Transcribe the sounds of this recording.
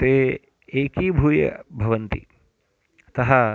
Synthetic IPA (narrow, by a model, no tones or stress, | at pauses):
t̪eː | eːkibʱuːjɐ̰bʱɐʋɐnt̪ḭ | t̪ɐɦɐ